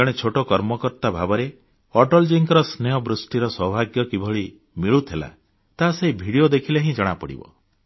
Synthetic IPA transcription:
aɽ̃et͡ʃʰoʈokɔɾmɔkɔɾt̪abʱabɔɾe | ɔʈɔld͡ʒiŋkɔɾɔsneɔbɾusʈiɾɔsɔbʱaɡjɔkibʱɔɭi | miɭut̪ʰila̰ | t̪aseɦibʱiɽijod̪ekʰileɦĩd͡ʒɔɽ̃apɔɽḭbɔ̰

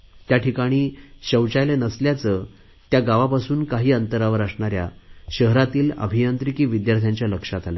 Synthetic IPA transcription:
t̪jaʈʰikaɽ̃iːɕəwt͡ɕajlenəsljat͡səː | t̪jaɡaʋapasuːnkaɦiːənt̪əɾaʋəɾəsɳaɾja̰ɕəɦɾat̪iːlə̰bʱijənt̪ɾikiːʋid̪jaɾt̪ʰjaɲt͡ɕjaləkʂat̪aləː

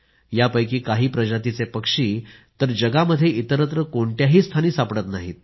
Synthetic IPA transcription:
japəjkiːkaɦiːpɾəd͡ʑat̪it͡sepəkʂiːt̪əɾd͡ʑəɡaməd̪ʱːjeʔit̪əɾət̪ɾəkoɳʈ̪jaɦiːst̪ʰaniːsapɽət̪naɦḭːt̪̚

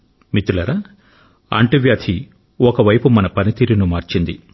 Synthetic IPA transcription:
mit̪ulɐɾɐ | ɐ̰ɳʈiʋjaːt̪ʰi | okɐʋɐjpumɐnɐpɐnit̪iːɾinumaːɾt͡ʃind̪i

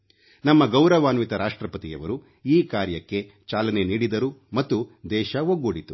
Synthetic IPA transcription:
nɐmːɐɡɐwɾɐʋaːnʋit̪ɐɾaːʂʈɾɐpɐt̪ijɐ̰ʋɐ̰ɾu | iːkaːɾjɐkːe̞ | t͡ʃaːlɐne̞niːɽid̪ɐɾumɐt̪ːud̪ɛːʃɐɦoɡoɽit̪u

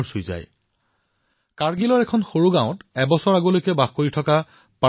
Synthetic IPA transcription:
ɹsujza̰j | kaɹɡilɔɹɛkʰɔnxoɹuɡãʊ̃tɛbɔsɔɹaɡolojkɛbaxkoɹitʰɔka | pa

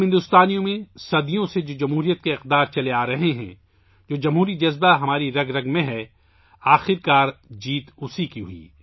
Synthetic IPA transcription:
ɦɪ̃nd̪ʊst̪aːnijõmẽsɐd̪ijõsed͡ʒoːd͡ʒɐmɦuːɾijət̪̚keɪqd̪aːɾt͡ʃɐleaːɾɐɦeɦɛ̰̃ | d͡ʒoːd͡ʒɐmɦuːɾid͡ʒɐzbaɦɐmaːɾiɾɐɡɾɐɡmẽɦɛ | aːxɪɾkaːɾd͡ʒiːt̪ʊsikiɦʊḭː

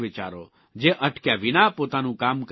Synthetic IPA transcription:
ʋɪt͡ʃa̰ːɾo | d͡ʒeːʔɐʈʰkjaʋɪnapoːt̪aːnũːkaːmk

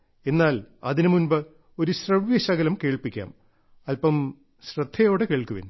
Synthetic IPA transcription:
e̞nːaːlɐðinɨmunbɨ | o̞ɾuɕrɐʋjɐɕɐɣɐlɐmke̞ːɭpikʲːa̰ːm | ɐlpɐm | ɕrɐd̪ʱːɐjo̞ːɽɨke̞ːɭkːuʋḭn

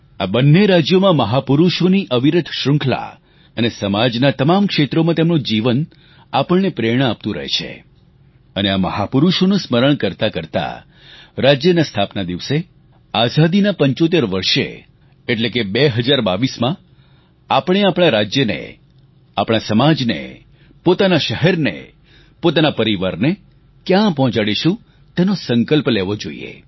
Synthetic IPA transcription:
abənːeɾad͡ʒjomãməɦapuɾuʃoniʔəʋiɾəd̪ʱʃɾʊŋkʰla̰ | ənesəmad͡ʒnat̪əmamkʃet̪ɾomãt̪emnod͡ʒiʋən | apəɭːepɾeɽ̃əap̚t̪ũɾə̰ɦḛt͡ʃʰḛ | əneaməɦapuɾuʃonũsməɾəɳ̃kəɾt̪akəɾt̪a̰ | ɾad͡ʒjənast̪ʰapnad̪iʋse | azad̪inapəɲt͡ʃot̪̬eɾʋəɾʃḛ | eʈlekebeɦəd͡ʒaɾbaʋismã | apəɽ̃eapɽ̃aɾad͡ʒjənḛ | apɽ̃asəmad͡ʒnḛ | pot̪anaʃəɦɛɾnḛ | pot̪anapəɾiʋaɾne | kjãpɔɦɔ̃t͡ʃaɽiʃũ | t̪ɛnosəŋkəlpleʋod͡ʒoḭḛ

